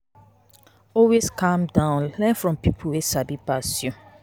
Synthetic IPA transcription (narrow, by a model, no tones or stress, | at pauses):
ɔlweskʰãmdãʊ̃nlɛ̃nfɹɔ̃mpipʰwesabipasjɔ̃n